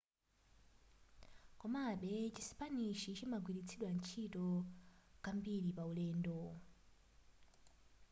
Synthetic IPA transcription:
kɔmaɓɛt͡ʃisi̥paniʃit͡ʃimaɡwiɾit͡sʰiɗwant͡ʃʰitɔ | kambiɾipaulɛːndɔ

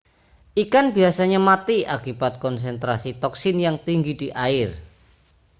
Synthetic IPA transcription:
ʔikanb̥iasaɲamat̪iakibat̪̚kɔns̬ɛnt̪ɾasit̪ɔksɪnjaŋt̪iŋɡid̥iʔaɪr

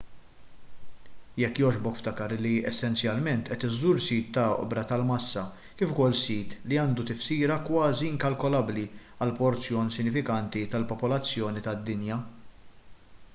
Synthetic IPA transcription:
jɛkːjɔːd͡ʒbɔkft̪ɐkɐɾɪlːiɛsːɛnt͡sjɐlmɛnt̪ʔɛt̪ɪzːuːɾsiːt̪ːɐɔ̰ʔbɾɐt̪ɐlmɐsːɐ | kɪːfʊkɔlːsiːt̪liɐːnd̪ut̪ɪfsiːɾɐkwɐːziɪŋkɐlkɔlɐbliɐlpɔɾt͡sjɔːnsɪnːɪfɪkɐnt̪it̪ɐlpɔpɔlɐt͡sːjɔːnit̪ɐd̪ːɪnjɐ

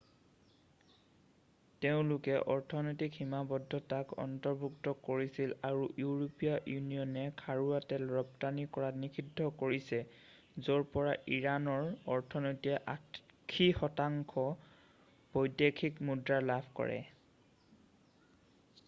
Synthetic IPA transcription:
teʊ̃lʊkɛʔɔɹtʰɔnojtikhimabɔdʱːɔtakɔ̰ntɔɹbʱuktɔkoɹisilaɹujuɹopijaʔjunijɔnɛkʰaɹuatɛlɹɔptanikɔɹatnikʰidʱːɔkoɹisɛ | zoɹpɔɹaʔiɹanɔɹɔɹtʰɔnojtiɛʔakʰːixɔtaŋkʰɔ | pɔjdjekʰikmudɹaɹlabʰʱkɔ̰ɹɛ̰

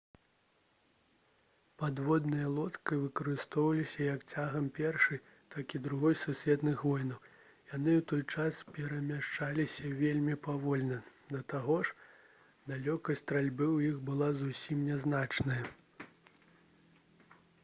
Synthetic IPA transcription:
pad̪vɔd̪nɐjɐlˠɔt̪kɨvɨkɐɾɨst̪ɔwvɐlʲisʲɐjɐkt͡sʲaɣɐmpʲɛrʂɨj | t̪akʲid̪ɾuɣɔjsusʲvʲɛt̪nɨxvɔjnɐw | jan̪ɨwt̪ɔjt͡ʂaspʲɛɾɐmʲaʂt͡ʂalʲisʲɐvʲelʲmʲipavɔlʲnɐd̪ɐt̪aɣɔʂ | d̪alʲɔkɐst̪ɾalʲbɨwjixbɨlˠazusʲimnʲɛznat͡ʂnɐjɐ

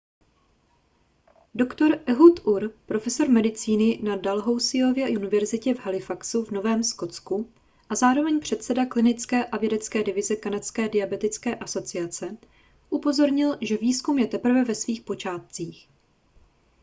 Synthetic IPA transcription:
do̞kt̪o̞ɾʔɛɦut̪ʔuɾpɾo̞fɛso̞ɾmɛdɪt͡siːnɪnadalɦo̞wsɪo̞vjɛʔunɪvɛɾzɪcɛvɦalɪfaksuvno̞vɛːmsko̞t͡sku | ʔazaːɾo̞vɛɲpr̝̥ɛt̪sɛdaklɪnɪt͡skɛːʔavjɛdɛt͡skɛːdɪvɪzɛkanat̪t͡skɛːdɪjabɛt̪ɪt͡skɛːʔaso̞t͡sɪat͡sɛ | ʔupo̞zo̞ɾɲɪlʒɛviːskumjɛt̪ɛpr̩vɛvɛsviːxpo̞t͡ʃaːt̪̚t͡siːx

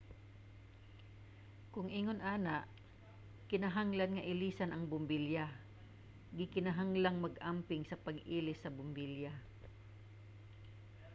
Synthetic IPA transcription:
kʊŋʔiːŋonʔaːnaʔ | kɪnaɦaŋlanŋɐʔɪliːsanʔɐŋbʊmbilja | ɡɪkɪnaɦaŋlaŋmɐɡampɪŋsɐpɐɡʔiːlɪsɐbʊmbilja

